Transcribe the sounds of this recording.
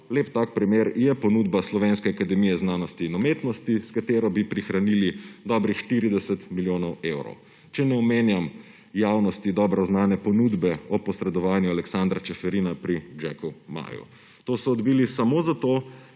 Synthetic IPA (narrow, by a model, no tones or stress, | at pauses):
leːpt̪aːk̚pɾimeɾjɛpɔnuːd̪baslɔʋenskɛakad̪ɛmijɛznaːnɔst̪iːnɔmet̪nɔst̪iskat̪eːɾɔbipɾixɾanilid̪ɔbɾixʃt̪iːɾid̪ɛsɛt̪miljoːnɔwewɾɔ̰w | t͡ʃɛnɛɔmeːnjam | jawnɔst̪id̪ɔbɾɔznaːnɛpɔnud̪bɛɔpɔsɾɛd̪ɔʋaːnjualɛksand̪ɾat͡ʃɛfɛɾinapɾid͡ʒɛ̰kuma̰ːjṵ | t̪oːsɔːd̪bilisamozat̪o